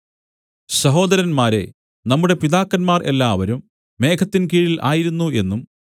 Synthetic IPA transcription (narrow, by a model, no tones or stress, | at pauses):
sɐɦo̞ːd̪ɐɾɐnmaːɾe̞̰ | nɐmːuɽe̞piðaːkːɐnmaːrʔe̞lːaːʋɐɾumː | e̞ːkʰɐt̪ːinkiːɻilʔa̰ːjiɾunːue̞nːum